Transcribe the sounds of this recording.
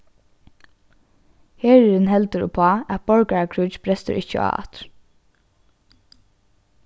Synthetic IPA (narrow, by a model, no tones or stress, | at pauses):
heːɹɛɾɪnɦɛlt̪əɾʊ̰pʰɑːæt̪̚b̥ɔɹkaɹakʰɹʉːt͡ʃb̥ɾɛst̪ə̰ʔɪcə̰ɑ̰ːɑ̰t̪